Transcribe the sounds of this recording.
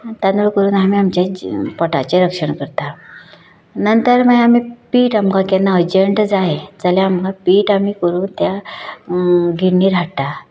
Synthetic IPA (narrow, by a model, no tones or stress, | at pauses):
t̪anʋəɭkəɾuːnamiːamt͡ɕjapɔʈa̰t͡ɕeɾəkʂəɳkəɾt̪a | nənt̪əɾməjamiːpiːʈamkãkɛnaəd͡ʑəɳʈd͡zaɦed͡zəljaːmkãpiːʈamiːkəɾuːnt̪ja | ɡʱiiːɾʱaɽt̪a